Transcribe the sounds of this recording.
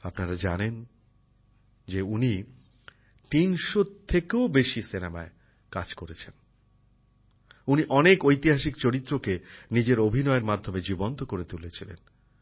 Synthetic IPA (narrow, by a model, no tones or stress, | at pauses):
apnaɾad͡ʑanen | d͡ʑeuni | t̪inʃot̪ʰːekeobeʃisinama̰e | ka̰d͡ʑkoɾet͡ɕʰen | uniʔɔnekojt̪iɦaʃikt͡ɕoɾit̪ːɾokenid͡ʑeɾobʱinɔeeɾmad̪ʱːomed͡ʑibont̪okoɾet̪ulet͡ɕʰilḛn